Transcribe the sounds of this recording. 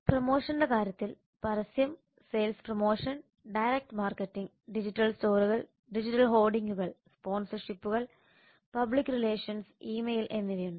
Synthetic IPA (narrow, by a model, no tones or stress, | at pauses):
promo̞ːʂɐnɖekaːɾjɐt̪ːil | pɐɾɐsjɐm | seːlspromo̞ːʂɐn | ɖɐjɾek̚ʈmaːrkɐtːiŋɡ | ɖid͡ʑitːɐlsto̞ːɾuɣɐɭ | ɖid͡ʑitːɐlɦo̞ːlɖiŋɡuɣɐɭspo̞ːnsɐrʂipːuɣɐɭ | pɐbɭikːɨɾile̞ːʂjɐnsiːmejlʔe̞nːiʋijuɳd̪ɐ